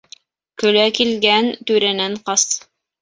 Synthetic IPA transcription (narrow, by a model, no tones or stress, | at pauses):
kɵ̆lækilɡænt̪ʉɾænæɴqɑs